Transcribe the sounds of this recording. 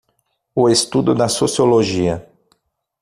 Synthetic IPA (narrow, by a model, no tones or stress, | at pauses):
ʊest̪ud̪ʊd̪ɐsosioloʒiɐ